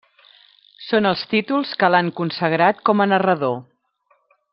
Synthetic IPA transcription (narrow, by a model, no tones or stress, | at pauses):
sonəlˠst̪it̪ulˠskəlaŋkunsəɣɾat̪̚kɔmənərəðo